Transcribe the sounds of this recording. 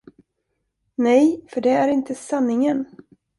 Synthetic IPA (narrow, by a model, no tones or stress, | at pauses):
nɛjfœɖɛæɾɪnt̪əsanːɪŋən